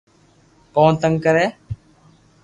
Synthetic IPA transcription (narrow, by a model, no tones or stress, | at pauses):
koːnt̪əŋɡkəɾeː